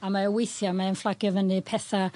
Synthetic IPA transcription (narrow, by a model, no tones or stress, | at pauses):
amaəwejθjamaənflˠaɡjɔvənɨpʰɛθa